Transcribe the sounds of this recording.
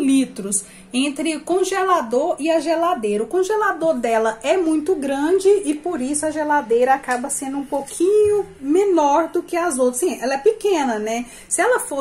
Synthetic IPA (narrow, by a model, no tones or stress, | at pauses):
lit̪ɾʊs | ẽnt̪ɾɪʊkõʒelad̪oɾɪɐʒelad̪ejɾɐʊkõʒelad̪oɾd̪ɛlɐʔɛmũj̃t̪ʊɡɾɐ̃d͡ʒɪɪpoɾisʊɐʒelad̪ejɾɐakabɐsẽnd̪ʊũpokʰĩɲʊmẽnɔɾd̪ʊkɪazowt̪ɾɐsĩɛlɐɛpɪkẽnɐnɛ | sɪɛlɐfo